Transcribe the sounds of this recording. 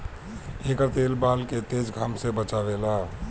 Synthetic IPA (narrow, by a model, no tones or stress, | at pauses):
ekəɾt̪eːlbaːlket̪eːd͡ʒɡʱəmsebət͡ʃaːʋelaː